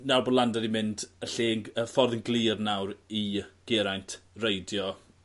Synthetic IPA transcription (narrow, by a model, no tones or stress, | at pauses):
nawrbodlˠandaɾimɪndəɬiəfɔrðɪnɡlˠiːrnawɾiɡ̥ɪɾajntʰrejdjɔ